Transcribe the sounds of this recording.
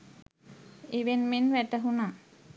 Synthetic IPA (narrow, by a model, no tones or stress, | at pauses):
iʋenmenʋæʈəɦuna